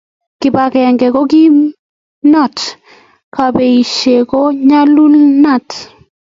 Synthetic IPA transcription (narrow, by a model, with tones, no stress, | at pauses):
kɪ˨ba˨kɛ˨ɛ˨ŋɡɛ˨ko˦ɡi˦ | nɔ˦˨t | ka˨be˨i˨ʃe˨ko˦ɲa˦lu˦lna˦˨t